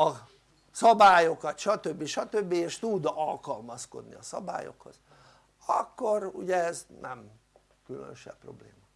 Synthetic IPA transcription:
ɒ | sɒbaːjo̞kɒt̪ʃɒt̪øbːiʃɒt̪ø̞bːieːʃt̪ud̪ɒlkɒlmɒsko̞̰d̪niɒsɒba̰ːjo̞̰kho̞z̥ | ɒkːo̞ruɟɛɛznɛm | kylø̰nøʃɛ̰pːro̞̰blḛːmɒ

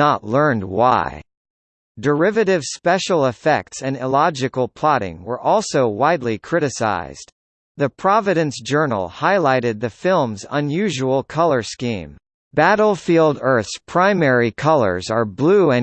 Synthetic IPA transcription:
ətˡlɜ̃˞nd̚wa̰ɪ | də˞ɪvɨɾɪv̥spɛʃl̩ˠəfɛ̰k̚tsɨ̃nɪlɑd͡ʒɨkl̩ˠpʰl̥ɑɾɪ̰̃ŋwə˞ʔɔlˠsoʊwaɪdˡlikʰɹ̥ɪɾɨsa̰ɪz̥d | ðɨpʰɹ̥ɑvɨɾɨ̃nsd̥ʒ̥ɜ˞nl̩ˠhaɪlaɪɾɨd̪̚ðɨfɪlˠmzə̃njʉʒəwl̩ˠkʰʌlˠə˞skḭ̃m | b̥æɾl̩ˠfilˠdɜ˞θspʰɹ̥ãɪ̃mɛɹikʰʌlˠə̰˞zə˞bluɨ̃n

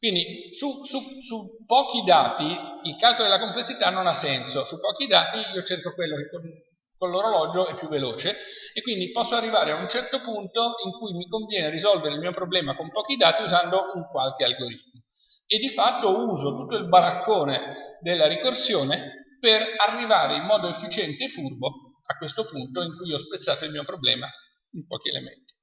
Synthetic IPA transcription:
kwind̪i | sususu | pːɔːk̟id̪aːt̪iilkalkod̪elakomplesːit̪anːonasːɛnsosupːɔːkid̪aːt̪iiːot͡ʃerkokwelːokekːon | konloɾolɔːd͡ʒoɛpːjuvːeloːt͡ʃeekːwind̪ipɔsːoarːivaːɾeaunt͡ʃɛrt̪opunt̪oiŋkujmikoɱvjɛːneɾizɔlveɾeilmiːopɾoblɛːmakompɔːk̟id̪aːt̪iuzand̪ouŋkwalk̟ealɡoɾit̪̚moed̪ːifat̪ːouːzot̪ut̪ːoilbaɾakːoːned̪elːaɾikorsjoːneperarːivaːɾeimmːɔːd̪oefːit͡ʃɛnt̪eːfːurbo | akːwest̪opunt̪oiŋkujɔspet̪sːaːt̪oilmiːopɾoblɛ̰ːma | impɔ̰ːk̟iḛlḛmḛnt̪i

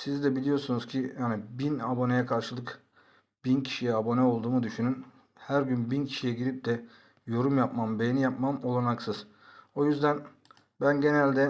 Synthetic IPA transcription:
sizd̪ɛbilʲijo̞ɾsunuz̥cʰijaːnibinabo̞nejɛkʰaɾʃɯlˠɯk | b̥incʰi̥ʃijɛabo̞nɛo̞lˠd̪uːmud̪yʃynyn | hæɾɟynbincʰi̥ʃijɛɟiɾip̚d̪ɛ | jo̞ɾumjap̚mambejnijapmamo̞lˠanaksɯz̥ | o̞jyzd̪æn | bænɟe̞nælʲd̪ɛ

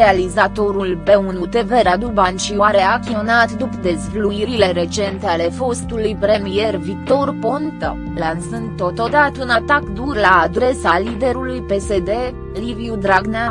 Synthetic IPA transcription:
ealizat̪o̞ɾulpe̞unut̪e̞ve̞ɾad̪ubant͡ʃiwaɾeakt̪ʲionat̪d̪upd̪e̞zvluiɾile̞ɾe̞t͡ʃe̞nt̪eale̞fo̞st̪ulujpɾe̞mije̞rvik̚t̪o̞rpo̞nt̪ə̰ | lansɨnd̪̚t̪ːo̞t̪o̞d̪at̪unat̪akd̪urlaːd̪ɾe̞salid̪e̞ɾulujpe̞se̞d̪e̞ | liviud̪ɾaɡna

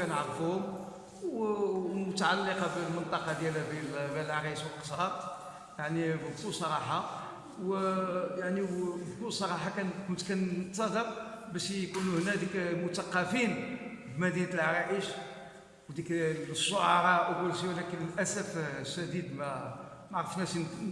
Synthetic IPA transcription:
kænʕəɾfuhʊm | wmʊt̪aʕalːeqɑbilmənt̪ˤɑqɑd̪jælæbilbælʕɾɑəʃwəlqə̥sˤɑt̪ˤ | jaʕnibbk̪ulsˤɑɾˤɑħɑ | wjaʕnibkulsˤɑɾˤɑħɑkænkʊnt̪kænt̪sɑd̪əɾbæʃkunuhnæd̪ikmʊt̪ɑqːɑfin | bmæd̪int̪əlʕɾɑʔəʃ | wd̪ikʃːoʕɑɾˤɑʔwɡulʃiwlækənəlʔæsæfʃæd̪id̪mæ | maʕɾˤəfnæʃin

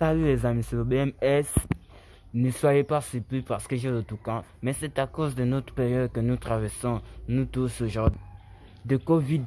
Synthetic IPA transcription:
alyɛzamĩselobeɛmɛs | nəswajepasipipaʁsə̥kəʒelot̪ukɑ̃mɛsɛt̪akozd̪ənot̪χə̥pɛʁjɔd̪̚kənut̪χavɛʁsɔ̃nut̪usoʒɔʁ | d̪əkovid̪

